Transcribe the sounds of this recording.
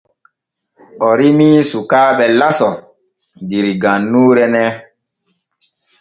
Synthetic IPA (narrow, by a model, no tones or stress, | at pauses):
ɔɾimiːsukaːɓɛlasɔ | diɾiɡãnːuːɾɛnɛ